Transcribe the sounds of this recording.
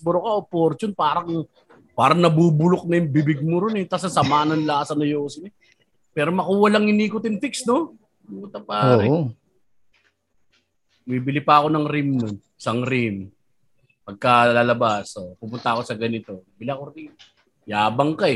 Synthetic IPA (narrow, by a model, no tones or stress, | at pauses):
bʊɾokaopoɾt͡ʃʊnpaːɾɐŋ | paːɾɐŋnɐbuːbʊlok̚nɐjʊŋbɪbɪɡ̚mʊɾʊnɛt̪asɐsɐmaːnɐnlasɐnɐjoːsɪnɛ | pɛːɾo̞mɐkuːwɐlɐŋhɪniːkʊt̪ɪnfiksno | mukʊt̪ɐpaːoːɾɛ | mibɪlɪpɐɐko̞nɐŋɾimnʊn | sɐŋɾim | pɐɡ̚kɐlaːlɐbasopʊmʊnt̪ɐɐko̞sɐɡɐnɪt̪o̞mɐbɪliɐkoɾim | jaːbɐŋkɐɛ